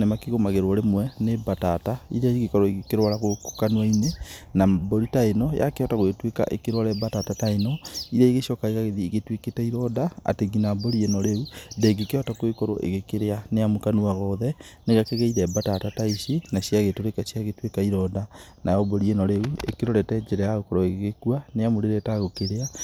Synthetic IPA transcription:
nemakiɣomaɣeɾwɔɾemwɛnebatataḭɾɛiɣekɔɾoiɣekeɾwaɾaɣokokanuainenaboɾitaenɔja̰keɔtaɣoetweka̰ʔḛkeɾwaɾɛbatatataenɔiɾɛiɣeʃɔkaeɣaɣeðiːɣetweketɛiɾɔdaa̰teɡinaboɾienɔɾeudɛɡikeɔtakoekoɾo̰ʔḛɣekeɾeaneamokanuaɣɔðɛ | neɣakeɣeiɾɛbatatataiʃenaɕiaɣetoɾekaʃiaɣetwekaiɾɔdanajɔboɾienɔɾeuḛkeɾoɾɛtɛd͡ʒeɾɛjaɣokɔɾoeɣɣekuaneamoɾeɾɛtaɣokeɾea

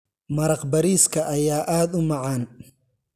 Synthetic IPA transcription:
mɐɾɐqbɐɾiːskʰɐʔɐjaːʔaːd̪ʊmɑʕɑːn

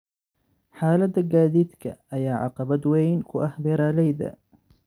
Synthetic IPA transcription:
ħaːlad̪aɡaːd̪it̪ka̰ʔajaːʕɑ̰qɑbad̪wejnkuʔahbɪɾalajd̪a̰

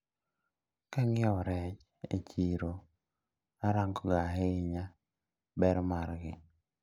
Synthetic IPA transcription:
kaŋɪɔɾɛt͡ʃ | ḛt͡ʃiɾo | aɾaŋɡoɡaɦeɪɲa | bɛɾmaɾɡɪ̰

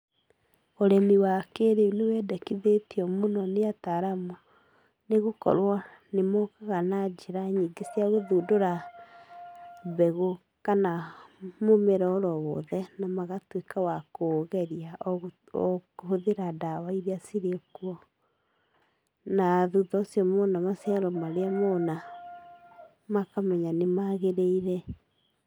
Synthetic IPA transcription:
oɾɛmiwakeɾeunewɛdɛkiðetiɔmonɔneataɾamo | neɣokɔ̰ɾwa | nemokaɣanad͡ʒeɾaɲiɡesiaɣoðudoɾa | βɛɣo | kanamomeɾɔːɾɔwɔ̰ðɛnamaɣatwekawakoɣɛɾia | hoðeɾadawaiɾeasiɾekuɔ | naðuðɔsjɔmɔnamasɛɾɔmaɾeamɔna | makamɛɲanemaɣeɾeiɾɛ

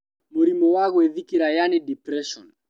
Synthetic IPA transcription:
muɾimɔwaɣwɛðikiɾajanidipɾɛʃɔ̰n

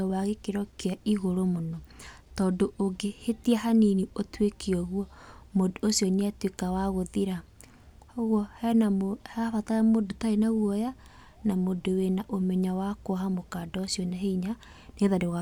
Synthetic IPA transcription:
waɣekeɾɔkeaiɣoɾomonɔ | tɔːdoʔoɡehetiɛɦaniniotwekiɔɣwɔmodoosjɔneatwekawaɣoðiɾa | ɔɣwɔhɛnamohɛafataɛmodotaenaɣwɔja | namodowenaʔomɛɲawakoɦamokaːdɔosjɔnaɦeiɲa | neðadea

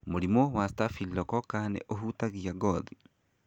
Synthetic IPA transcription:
moɾimowastafilːɔkɔkanḛʔoɦutaɣiaɡɔði

